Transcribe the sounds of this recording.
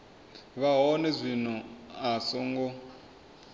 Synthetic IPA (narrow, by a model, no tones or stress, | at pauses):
βaɦɔnɛzʷinɔasɔŋɡɔ